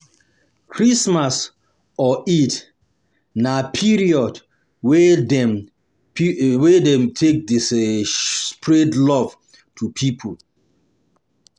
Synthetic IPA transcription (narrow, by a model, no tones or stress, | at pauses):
kʰɹismas | ɔit | napʰiɹiɔd | wɛdɛm | wɛdɛ̃mtʰek̚des | spʰɹɛdlɔv̥ | tʰupʰipʰul